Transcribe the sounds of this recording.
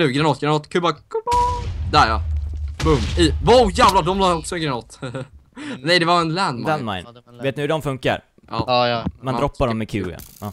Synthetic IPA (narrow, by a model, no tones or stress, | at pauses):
nʉ̟ːɡɾanɔt̪̚ːɡɾanɔt̪ːkʰʉbakʰʉbd̪æɾjɑpʰɵmivauːjæːvlad̪ɔmlaːɔksɔɛnɡɾanɔt̪ː | nɛjd̪ɛvaɾɛnlænd̪mlanma̰ɪnveːt̪̚nɵhɵɖɔmfɵŋka̰ɾ | ɑːɑːmand̪ɾɔpːaɖɔmːɛkʰʉːa̰ʔɑː